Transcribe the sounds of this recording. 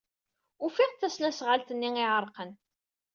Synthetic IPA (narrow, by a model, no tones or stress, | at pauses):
ʊfɪʁθæsnæsʁalt̪ənːiŋɪʕəɾˤqən